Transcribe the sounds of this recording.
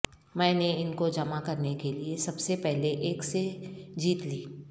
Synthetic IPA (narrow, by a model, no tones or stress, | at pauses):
mɛ̃ːneɪnkod͡ʒɐmakɐɾnekeliesɐbsepɛɦleʔeːksed͡ʒiːt̪liː